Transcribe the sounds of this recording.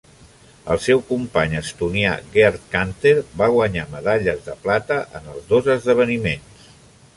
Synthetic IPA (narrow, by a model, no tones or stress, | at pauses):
ə̰lˠsɛwkumpaɲəst̪unia̰ɣeɾt̪̚kant̪eɾβaɣwəɲaməðaʎəzðəplat̪əʔənəlˠzðozəzðəβ̞ənimens